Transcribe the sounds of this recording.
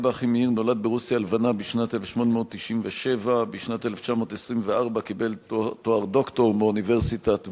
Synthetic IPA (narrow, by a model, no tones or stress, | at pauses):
baaχimehiʁno̞lad̪̚beʁusjalvanabiʃnat̪elefʃmo̞nemeodt̚ːiʃimveʃe̞vabiʃnat̪eleft͡ʃamo̞tesʁimveaʁbakibe̞lt̪oaʁdo̞kto̞ʁmeuniveʁsitat